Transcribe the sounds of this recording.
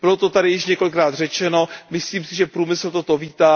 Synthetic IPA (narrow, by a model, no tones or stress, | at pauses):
bɪlot̪ot̪adɪjɪʃɲɛko̞lɪkɾaːd̪r̝ɛt͡ʃɛno̞mɪsliːmsɪʒɛpɾuːmɪsl̩t̪ot̪oviːt̪aː